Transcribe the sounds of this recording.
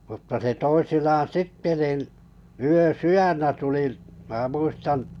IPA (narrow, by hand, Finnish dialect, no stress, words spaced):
mutːɑ se toisinɑːn sitːe nin yøsyjænːæ tuli mæ muistɑn